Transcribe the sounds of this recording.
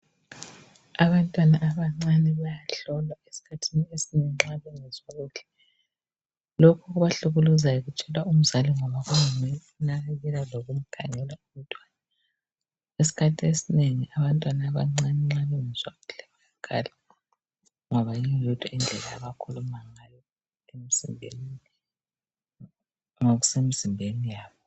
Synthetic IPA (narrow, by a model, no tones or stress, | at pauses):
aβantʼwanaʔːβaŋ͡ǀanɛβajaɬɔlwaesi̥kʰatʰiniesineŋiŋ͡ǁaβɛŋɛzaɣuɮɛ | lokʰuɣuβaɬuɣuluzajɔɣut͡ʃʼɛlwaum̩zaliŋɔβaɣujumɛunaɣeɣɛlaloɣum̩ɡ̥ʰʱa̰ŋɛlwaum̩tʼwaːna | esi̥kʰatʰiesineŋiʔaβantʼwanaβa̰ŋ͡ǀaŋ͡ǀaniŋiswaɣuɮ̥ɛβaakʰa̰la | ŋɔβajiŋɔdʰʼʱaind͡ɮʱɛlajaβakʰulumaŋajɔ | emizimbʱen | ŋoɣusemiz̥imbʱenijaːβɔ